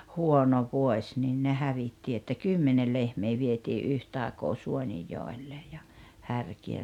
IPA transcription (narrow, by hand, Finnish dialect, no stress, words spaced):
huono ʋuosʲ niːn ne hæʋitːi etːæ kymːenel lehmeː ʋietiː ʔyhtɑˑi̞koː suonijːoˑelːej jɑ hærkiæ